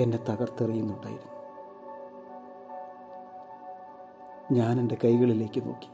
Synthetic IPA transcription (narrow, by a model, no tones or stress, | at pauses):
e̞nde̞t̪ɐɣɐrt̪ɐrijunːuɳɖa̰ːjiɾunːu | ɲaːne̞nde̞kɐjɣɐɭile̞ːkːɨno̞̰ːkːi̥